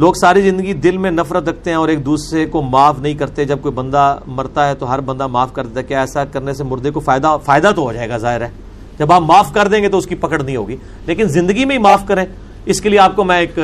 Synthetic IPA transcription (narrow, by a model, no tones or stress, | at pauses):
loːɡsaːɾizɪ̃nd̪əɡid̪ɪlmẽnɐfɾət̪ɾɐkʰt̪eɦɛ̃ɔːɾeːk̚d̪uːsɾekomaːfnɐɦĩkɐɾt̪eɦɛ̃d͡ʒɐb̚koːibɐ̃nd̪amɐɾt̪aɦɛt̪oɦɐɾbɐ̃nd̪amaːfkɐɾd̪eːt̪aɦɛkjaɛːsakɐɾnes̬emʊɾd̪ekofaːɪd̪afaːɪd̪at̪oɦoːd͡ʒaːeːɡazaːɦɪɾɦɛː | d͡ʒɐbaːpmaːfkɐɾd̪ẽːŋɡet̪oʊskipɐkəɽnɐɦĩɦo̰ːɡiː | leːkɪnzɪ̃nd̪əɡimẽɦimaːfkɐɾẽː | ɪskelieaːp̚komɛ̃ɪk